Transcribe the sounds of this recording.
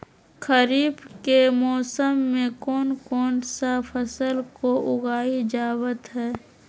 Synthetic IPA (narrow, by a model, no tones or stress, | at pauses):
kʰəɾiːbkemɔːsəmːẽkɔːnkɔːnsapʰəsəlkoʔʊɡaːid͡ʒaːwət̪ɦɛː